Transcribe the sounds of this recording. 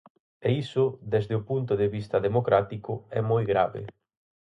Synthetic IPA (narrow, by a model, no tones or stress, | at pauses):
eisʊd̪ɛzd̪eʊpunt̪ʊðeβist̪ɐðemokɾat̪ikʊɛmojɣɾa̰βḛ